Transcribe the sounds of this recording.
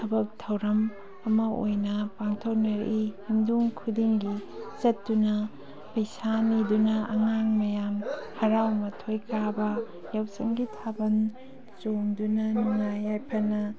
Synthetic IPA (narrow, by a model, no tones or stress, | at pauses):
tʰɐbɐk̚tʰɐwɾɐm | ɐmɐo̰jnɐpaŋtʰow̚nɐɾʔihinduŋkʰudiŋɡit͡ʃɐtːunɐ | pɐjsanidunɐɐŋaŋmɐjamhɐɾawmɐtʰojkʰabɐ | jawsɐŋɡitʰabɐn | t͡ʃoŋdunɐnuŋajajpʰɐnɐ